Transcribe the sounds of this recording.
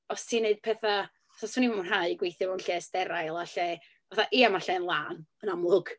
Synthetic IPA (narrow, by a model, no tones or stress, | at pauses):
ɔstʰineɨd̥̚pʰɛθa | aθasunimamənraɨɡwejθɪmawnɬɛːsd̥ɛɾajlˠaɬɛ | vaθaʔiamaɬɛənlˠaːnənamlˠʊɡ̥